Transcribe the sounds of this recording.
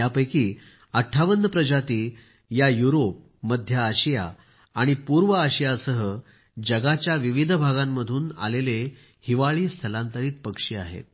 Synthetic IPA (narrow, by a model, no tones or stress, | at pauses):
japəjkiː | əʈʰːaʋənːəpɾəd͡ʑat̪iː | jajuɾop̚ | məd̪ʱjəːɕija̰ | aɽ̃ipuɾʋəaɕijasəɦə | d͡ʑəɡat͡ɕjaʋiʋid̪ʱəbʱaɡãmːəd̪ʱuːna̰lele | hiʋaɭiːst̪ʰəlãnt̪əɾiːt̪pəkʂiːa̰ɦḛt̪̚